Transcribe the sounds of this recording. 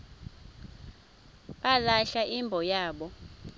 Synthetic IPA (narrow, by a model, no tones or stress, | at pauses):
ɓalaɬaʔimbʱɔjaːɓɔ